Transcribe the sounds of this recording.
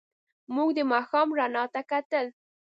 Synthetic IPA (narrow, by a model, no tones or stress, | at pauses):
mʊɡd̪əmɑxɑmɾanɑt̪akat̪əl